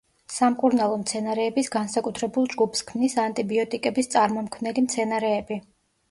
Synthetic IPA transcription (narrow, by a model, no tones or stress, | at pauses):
samkʼuɾnalˠɔmt̪sʰɛnaɾɛːbisɡansakʼut̪ʰɾɛbulˠd͡ʒɡupʰskʰmnisant̪ʼibiɔt̪ʼikʼɛbist̪sʼaɾmɔmkʰvnɛlimt̪sʰɛnaɾɛːbi